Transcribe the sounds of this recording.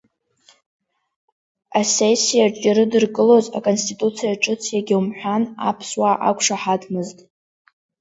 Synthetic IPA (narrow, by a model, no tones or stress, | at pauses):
asesijat͡ʃʼaɾɨdɨrkʼɨlo̞za̰kʼonstʰitʼut͡sʰijaʈ͡ʂʼʊt͡sʰijaɡʲiwumħʷᶣana̰pʰswaʔakʷʰʼʂaħadʰmɨztʼ